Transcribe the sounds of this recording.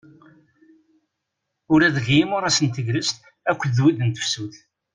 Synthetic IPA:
ʊɾæðəʝjimʊɾˤæsənt̪əʝɾəst̪ | ækʷːðwiðənt̪ə̥fsuθ

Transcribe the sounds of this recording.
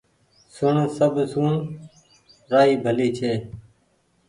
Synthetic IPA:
sʊɳsəbʱsuːɳ | ɾaːɦiːbʱəliːt͡ʃʰeː

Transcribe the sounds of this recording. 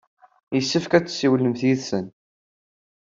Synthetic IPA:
jəsːəfkæt͡sːsːiwlːəmθjiðsən

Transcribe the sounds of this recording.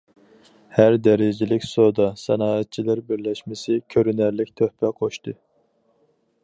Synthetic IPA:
hæɾd̪ɛɾɪd͡ʒɪlɪkʲsod̪ɑsɑnɑːɛt̪̚t͡ʃʰilæɾbɪɾlɛʃmɪsɪkʲʰøɾynæɾlɪkʲt̪ʰøhpʰɛqʰoʃt̪ʰɨ

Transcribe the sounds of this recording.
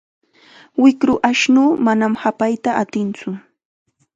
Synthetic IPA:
wɪkɾʊʔaʃnuːmanamhapajt̪aʔat̪ɪnt͡sʊ

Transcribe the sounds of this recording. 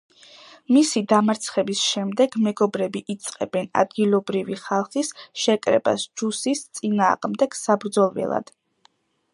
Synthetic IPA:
misid̪amaɾt̪sʰχɛbisʃɛmd̪ɛɡmɛɡɔbɾɛbiʔit̪sʼqʼɛbɛna̰d̪̚ɡilˠɔbɾiviχalˠχisʃɛkʼɾɛ̰ba̰sd͡ʒusist̪sʼina̰ːʁmd̪ɛɡ̥sabɾd̪zɔlˠvɛ̰lˠa̰d̪̥

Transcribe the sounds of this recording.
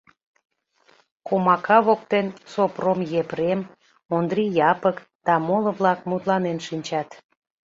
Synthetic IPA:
komɑkɑβok̚t̪ensopromjepɾem | ond̪ɾijɑpək | d̪̥ɑmolə̆βlɑkmut̪lɑnenʃinʲt͡ɕɑt̪

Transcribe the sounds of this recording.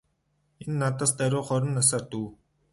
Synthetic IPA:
enːat̪ə̆st̪æɾʲʊːχɔɾə̆nːas̬aːrt̪uː

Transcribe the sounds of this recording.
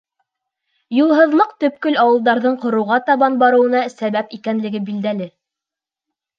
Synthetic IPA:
julˠɦɤ̆ðlˠɤqt̪ɵ̆p̚kɵlɑwɤ̆lˠd̪ɑɾðɤɴqŏɾɤ̆wʁɑt̪ɑβɑnbɑɾɤ̆wɤ̆nɑsæβæpikænlɘ̆ɡɘbild̪ælɘ

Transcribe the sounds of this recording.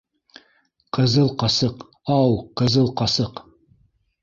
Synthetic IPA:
qʰɤ̆zɤlˠqɑsɤq | ɑwqɤ̆zɤlˠqɑsɤq

